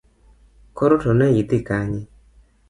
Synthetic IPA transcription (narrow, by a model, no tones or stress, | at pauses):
kɔɾotɔnɛjit̪ikaɲi